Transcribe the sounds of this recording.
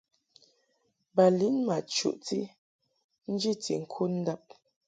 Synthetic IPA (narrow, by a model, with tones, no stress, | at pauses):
ba˨li˨˦nma˨t͡ʃṵ˨ʔti˦ | n̩˦d͡ʒi˦tḭ˨ŋ̩˨kʰu˦n̩˦da˦p̚